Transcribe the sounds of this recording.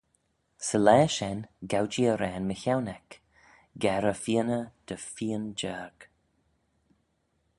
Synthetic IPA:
səlɛːʃɛnɡawd͡ʒiəɾɛːnməçawnɛk | ɡɛɾəfiənəd̪̥əfiːənd͡ʒɛːɹɡ̥

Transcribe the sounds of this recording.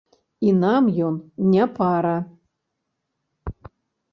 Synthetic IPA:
inamjonnʲapʰaɾa

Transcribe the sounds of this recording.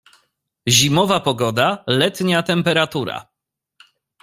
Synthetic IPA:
ʑimɔvapɔɡɔd̪alɛt̪ɲat̪ɛmpɛɾat̪uɾa̰

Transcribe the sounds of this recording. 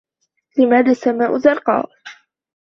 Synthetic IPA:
lɪmaːðaːsamaːʔʊzɑɾˤqɑ̰ː

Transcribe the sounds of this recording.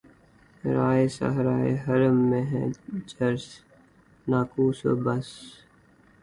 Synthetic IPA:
ɾaːesa̰ɦɾaːḛɦɐɾəmːẽɦɛ̰̃d͡ʒəɾs | naːkuːso̰bɐs

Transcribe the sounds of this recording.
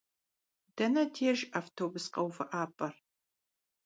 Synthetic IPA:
d̥ɐnɐtʰeːʒaːftʰoːbʊsqʼɐwfɐʔaːpʼɐr

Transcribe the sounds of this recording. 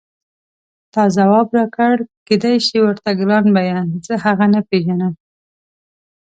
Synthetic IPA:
t̪ɑzawɑbɾɑkəɽked̪ajʃiwəɾt̪aɡɾɑnbajazəhaɣanapeʒanəm

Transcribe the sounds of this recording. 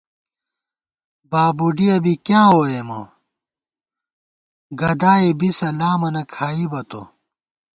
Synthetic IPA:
baːbuɖiɐbikjãːɦoːemɐ̰ | ɡɐd̪aːebisɐlaːmɐnɐkʰaːibɐt̪o̰

